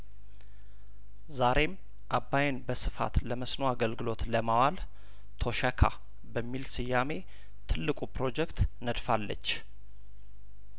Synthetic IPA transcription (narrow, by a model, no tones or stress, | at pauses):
zaɾe̞m | ʔabːajnbəsɨfa̰t̪ləməsnoaɡəlɡɨlo̞t̪ləmawal | t̪ʰo̞ʃɛkʰa̰ | bəmːilsɨjːame̞ | t̪ʰɨlːɨkʼupɾo̞d͡ʒɛkt̪nəd̪falːə̰t͡ʃː